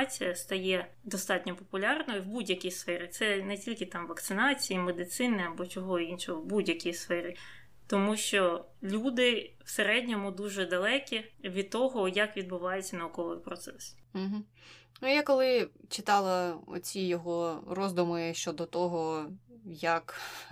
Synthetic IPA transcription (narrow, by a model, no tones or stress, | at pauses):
t͡sʲijɐst̪ɐjɛ | d̪ɔst̪ɑt̚ʲnʲɔpɔpʊlʲɑrnɔjiwbudʲjɐkʲijsfɛɾʲɪt̪sɛnɛtʲilʲkɪt̪ɑmʋɐkt̪sɪnɑt͡sʲijimed̪ɪt̪sɪnɪɐbɔt͡ʃɔɦɔinʃɔɦɔwbudʲjɐkʲijsfɛɾʲɪ | t̪ɔmuʃt͡ʃɔ | lʲud̪ɪwseɾɛdʲnʲɔmʊd̪uʒɛd̪ɐlˠɛkʲiʋʲid̪̚t̪ɔɦɔjɐkʋʲid̪bʊʋɑjet͡sʲːɐnɐʊkɔʋɪpɾɔt̪sɛs̩ɦ̩ | nujakɔlˠɪt͡ʃɪt̪ɑlˠɐɔ̰t͡sʲijɔɦɔrɔzd̪ʊmɪʃt͡ʃɔd̪ɔt̪ɔɦɔ | jɐk